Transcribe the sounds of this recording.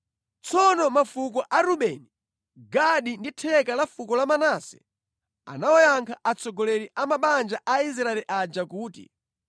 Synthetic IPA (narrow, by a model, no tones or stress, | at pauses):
t͡sɔnɔmafukɔʔaɾuɓɛni | ɡaɗinditʰɛkalafukɔlamanaːsɛ̥̰ | a̰nawɔjaŋkʰaʔat͡sʰɔɡɔlɛɾiʔamaɓand͡ʒaʔais̬ɾaɛlɛʔad͡ʒakuːtḭ